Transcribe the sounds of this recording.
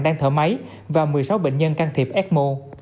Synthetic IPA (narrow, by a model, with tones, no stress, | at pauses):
ŋɗaː˧ŋt̪ʰəː˧˩ma˨˦j | vaː˨˩wmɨ˨˩əjsa˨˦wɓḛ˧˨ŋ̟ɲə˧nkaː˧ŋt̪ʰi˨˩p̚ʔɛː˦˥t̚mo˧